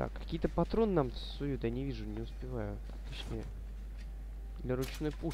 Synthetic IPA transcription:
a̰kːɐkʲijt̪əpɐt̪ɾo̞nnamsʊjut̪janʲɪvʲiʐʊnʲɪʊspʲɪvajʊ | t̪ɐt͡ɕnʲejə | d̪lʲɐɾʊt͡ɕnojpu

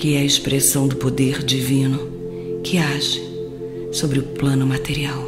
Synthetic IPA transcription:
kɪɛɐɪspɾesɐ̃w̃d̪ʊpod̪eɾd͡ʒivĩnʊ | kʰɪaʒɪ | sobɾɪʊplɐ̃nʊmat̪eɾiaw

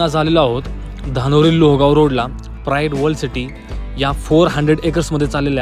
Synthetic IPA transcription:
ad͡zʱalelaaɦot̪ | d̪ʱanoɾiːlːoɦɡawɾoɽla | pɾaeʈʋəlɖsiʈi | jafoɾɦəɳɖɾeɽekəɾsməd̪ʱjet͡salelja

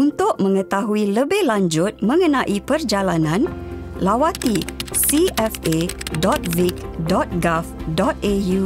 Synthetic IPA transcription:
unt̪ʊk̚mə̃ŋə̃t̪aɦuiləbɪhlaɲd͡ʒʊt̪̚mə̃ŋənãʔipərd͡ʒalanãn | lawat̪isiɛfedɔt̪̚vik | dɔt̪̚ɡafdɔt̪̚eju

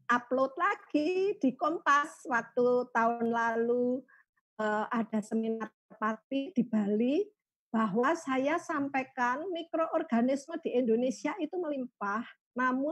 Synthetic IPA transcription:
ʔaplot̪̚laɡ̥id̪̥i̤kɔmpaswak̚t̪ut̪aʊnlalu | əad̥a̤səminat̪̚ːərpat̪̚id̪̥i̤b̥a̤li | b̥aɦwasajasampekanmikɾoʔɔrɡ̥anisməd̪̥i̤ʔind̪onesiait̪uməlimpah | namʊ

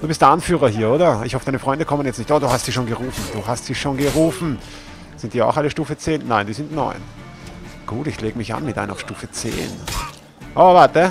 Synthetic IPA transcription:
d̥uːbɪstd̥eɐanfyːʁ̞ɐɦiːɐoːɾɐɪ̰çhɔfəd̥aɪnəfʁ̥ɔʏndəkʰɔmənjɛt͡stnɪçtoːɐduːhastz̥iːʃoːnɡəʁuːfn̩d̥uːɦastz̥iːʃoːnɡəʁuːfn̩ | z̥ɪntd̥iɐa̰ʊxaləʃtuːfət͡seːnːaɪnd̥iːzɪntnɔ̰ʏn | ɡ̥uːtɪçleːɡəmɪçʔa̰nmɪtdʔa̰ɪnɐaʊʃtuːfət͡sḛːn | ʔovaɐtə

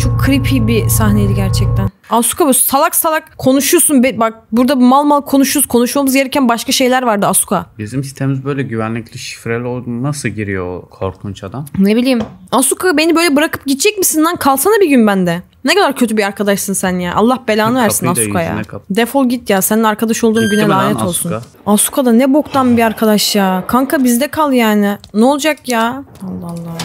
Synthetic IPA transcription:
t͡ʃʰo̞kʰːɯɾipʰibisahneliɟæɾt͡ʃʰɛc̚t̪ʰænasu̥kʰabusalˠaksalˠakkʰːo̞nuʃujsunbɛbak̚buɾd̪abmalˠmalˠkʰo̞nuʃuzkʰo̞nuʃujomuzɡe̞ɾɛcʰænbaʃkaʃe̞jlʲæɾvaɾd̪ɯasu̥kʰabizimsi̥st̪ʰeimizbø̞jlʲɛɟyvænlʲicʲlʲiʃi̥fɾelʲolˠunasɯɟiɾijo̰kʰo̞̰ɾkʰunt͡ʃad̪amnebilʲiːmasukʰabe̞nibøjlʲɛbɯɾakʰɯ̥p̚ɟit̪̚t͡ʃʰɛc̚misind̪ankʰalˠsanɯbiɟynbænd̪ɛ | nɛkʰad̪aɾcʰøt̪ybiaɾkʰad̪aʃsɯnsænjaʔa̰lˠːahbelʲaːnɯvæɾsinasukʰaja̰d̪efolˠɟit̪jaːsɛnaɾkʰad̪aʃolˠd̪uːmɟynɛlaːnɛt̪ʰo̞lˠsun | asu̥kʰad̪anɛbo̞kt̪ʰanbiaɾkʰad̪aʃjaːkʰaŋkʰabizd̪ɛkʰalˠjaːnɪnɛolˠd͡ʒakjaːalˠːalˠːa

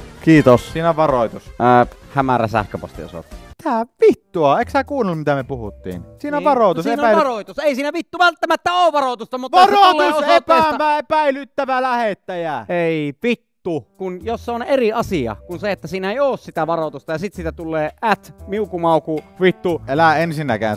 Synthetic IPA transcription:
kiːt̪ossiːnæʋɑroit̪ushæmæ̰ræ̰sæ̰hkøpo̰st̪ḭo̰so̰t̪ˑːɑ̥it̪æʋit̪ːuɑeˑksækuːnelːmmit̪æmepuhut̪ːḭːnsiːnæʋɑroˑit̪usienæˑiɑroˑit̪useˑisiːnæʋit̪ːuʋælt̪ːæmæt̪ːæoːʋʋɑrot̪ust̪ɑmut̪ʋɑrolːeːsoot̪pːæsɑmæepæilyt̪ːæʋælæhet̪ːæjæeiʋit̪ːukunjosːoneriɑsiɑ̰kunseet̪ːæsiːnæeˑijoːssit̪æʋɑrot̪ust̪ɑjɑsit̪siːt̪æt̪ulːeːæt̪miukumɑˑukuʋit̪ːuelæensinːækæ̰ːn

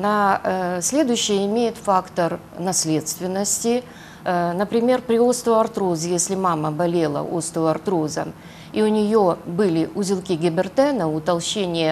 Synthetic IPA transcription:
nasʲlʲe̞d̪ʊjɕːɪjəɪmʲejɪt̪fakt̪ər | nɐsʲlʲet̪st̪vʲɪnːəsʲtʲɪ | nəpɾʲɪmʲe̞rpɾʲɪost̪əɐrt̪ɾozɨjesʲlʲɪmaməbɐlʲelˠə̰ʔost̪əɐrt̪ɾozə̰m | iʊnʲɪjobɨlʲɪʔʊzʲɪlˠkʲiɡʲɪbʲɪrt̪ɛnəʊt̪ɐlˠɕenʲɪjə

